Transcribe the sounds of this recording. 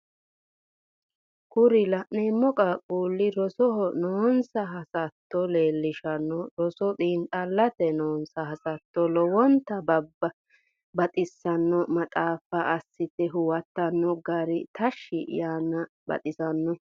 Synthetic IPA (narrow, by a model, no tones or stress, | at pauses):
kʊɾɪlɐʔneːmːɔkʼɐkʼuːlːɪɾɔsɔnoːnsɐɦɐsɐt̪ːɔleːlːɪʃɐnːɔɾɔsɔd̪iːnt̪ʼɐlːɐt̪ɛnoːnsɐhɐsɐt̪ːɔlɔwɔnt̪ːɐbɐbːɐ | bɐt̪ʼɪsːɐnːɔmɐt̪ʼaːfɐʔɐsːɪt̪ɛɦʊwɐt̪ːɐnːɔɡaɾɪt̪ɐʃːɪ̰jaːnːɐ | bɐ̰t̪ʼɪsɐnːɔ